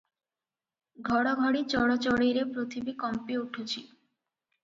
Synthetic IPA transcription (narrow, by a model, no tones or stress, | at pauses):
ɡʱɔɽaɡʱɔɽit͡ɕɔɽat͡ɕɔɽiɾepɾot̪ʰibikɔmpiuʈʰut͡ɕʰi